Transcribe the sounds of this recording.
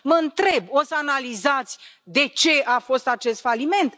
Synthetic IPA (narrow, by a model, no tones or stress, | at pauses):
məɨnt̪ɾe̞bo̞səanalizat̪sʲ | d̪e̞t͡ʃe̞ʔafo̞st̪at͡ʃe̞st̪falime̞nt̪